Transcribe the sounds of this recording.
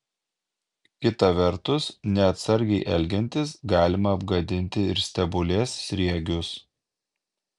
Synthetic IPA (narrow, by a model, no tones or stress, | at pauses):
kʲɪt̪ɐʋʲɛɾt̪ʊsnʲɛɐt̪sɐɾʲɡʲɛɪʔɛlʲɡʲɛnʲt̪ʲɪsɡɑːlʲɪmɐːbɡɐd̪ʲɪnʲt̪ʲɪɪɾsʲt̪ʲɛbʊlʲeːsːʲɾʲiɛɡʲʊs